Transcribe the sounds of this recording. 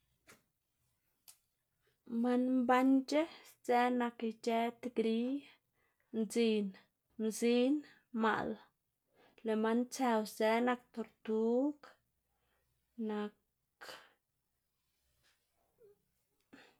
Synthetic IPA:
ma˧nmba˦nd͡ʒe˦t͡se˦na˧kt͡ʃe˦t̪ɡɾi˦ | nd͡zi˧n | mzi˦n | ma̰˨ʔl | le˨ma˦nt͡se˧wt͡se˦na˧k̚t̪o˧ɾt̪u˦k | na˧k

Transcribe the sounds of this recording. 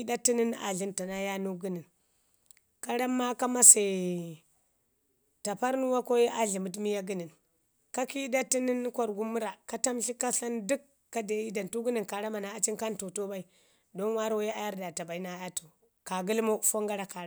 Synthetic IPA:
da˦ti˦ni˦na̰˨ɮi˦nta˨na˦ja˦nu˦ɡu˦ni˨n | ka˦ɾa˦mːa˦ka˦ma˦se˨ | ta˨pa˦ɾnu˦wa˦ko˦ji˦ʔa˨ɮi˨mu˨˦t̬mi˦ja˦ɡi˦ni˨n | ka˦ki˦da˦ti˦ni˦n˦kʷa˨ɾɡu˦mu˦ɾa˨ka˦ta˦mɬi˦ka˦ɬa˦ndu˦kːa˦de˨ji˦da˨ntu˦ɡi˦ni˨nka˨ɾa˦ma˨na˨a˦t͡ʃi˦nka˦ntu˨to˦ba˦i˨ | do˦n˦wa˦ɾo˦wje˦a˦ja˦ɾda˨ta˨ba˨i˦na˨˦ja˦to̥˨ | ka˨ɡi˦lmo˦fo˦ŋɡa˦ɾa˨ka˨ɾ

